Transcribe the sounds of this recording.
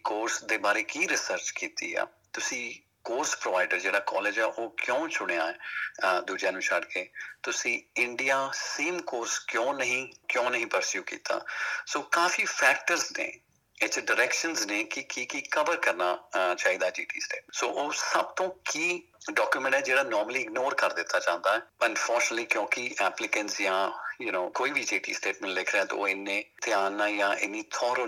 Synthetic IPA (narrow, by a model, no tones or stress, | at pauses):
koːɾsd̪eːbaːɾeːkiːɾɪsəɾt͡ʃkiːt̪ḭːɛ̰ː | t̪ʊsĩː | koːɾspɾoʋaːɪɖəɾd͡ʒeːɽaːkɔ̰ːleːd͡ʒɛːʔoːkjõːt͡ʃʊɽ̃eaːɛːd̪uːd͡ʒaːnũːt͡ʃʰaɖkeːt̪ʊsĩːɪɳɖijaːseːmkoːɾskjõːnəɦĩːkjõːnəɦĩːpəɾsjuːkḭːt̪a̰ːsoːkaːfiːpʰɛːk̚ʈəɾznḛː | ɪt͡ʃɖəɾɛːkʃənzneːkɪkiːkiːkəʋəɾkəɾnaːt͡ʃaːiːd̪aːd͡ʒḭːʈḭːsʈeːsoːʔoːsəbt̪õːkiː | ɖɔːkjumɛ̃ɳʈɛːd͡ʒeːɽaːnɔːɾməliːɪɡnoːɾkəɾd̪ɪt̪ʰːaːt͡ʃãːnd̪aːɛːənfɔːɾt͡ʃənəlliːkjõːkɪʔɛːplɪkəɳʈsjãːjunoːkoːiːʋiːd͡ʒiːʈḭːsʈeːʈmɛ̃ɳʈlɪkʰɾeɛ̃ːt̪o̰o̰ːɪnːẽːt̪ɪjaːnːãːjãːʔɪnːiːt̪ʰɔːɾə